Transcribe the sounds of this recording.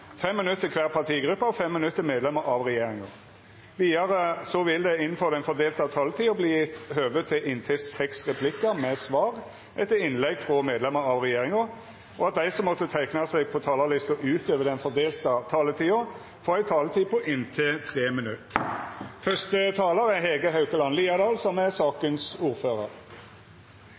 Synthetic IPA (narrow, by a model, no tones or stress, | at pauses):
fɛmːɪnʉt̪ːəkʰʋæːʁpʰɑʁt̪ʰiːɡʁʉpːɑɔfɛmːɪnʉt̪ːəmeːd̪lɛməɾʔɑʋʁɛjeːʁɪŋɑ | ʋiːɑʁəsɔʋɪld̪ɛɪnn̩fɔʁd̪ɛɪnfɔd̪eːlt̪ɑt̪ʰɑːlət̪ʰiːʊbliːɪt̪høːʋət̪ʰɪlʔɪnt̪ʰɪsɛksʁɛpʰlɪkːəmɛsʋɑːʁ | ʔɛt̪ːəɾɪnlɛɡfʁɔmeːd̪lɛməɾɑʋʁɛjeːʁɪŋʊ | ʔɔɑt̪̚d̪æɪsɔmːɔt̪ːət̪ʰæɪknɑsɛɡ̚pʰɔt̪ʰɑːlɑlɪst̪ɔʔʉːt̪øːʋəd̪ɛnfɔd̪eːlt̪ət̪ʰɑːlət̪ʰiːʊ | foːʁæɪt̪ʰɑːlət̪ʰiːpʰɔʔɪnt̪ʰeːt̪ʰʁeːmɪnʉt̪ː | fœst̪ət̪ʰɑːləɾɛɦeːɡəɦɑʉkəlɑnliːɑd̪ɑːlsɔmæsɑːkənsuːɾføːʁə̰ɾ